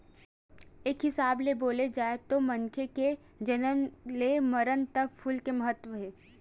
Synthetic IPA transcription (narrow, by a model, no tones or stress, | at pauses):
eːkɦɪsaːbleboːled͡ʒaːet̪omɐŋkʰeke | d͡ʒənəmlemɐɾənt̪ɐk̚pʰʊlkeməɦət̪ʋəɦɛː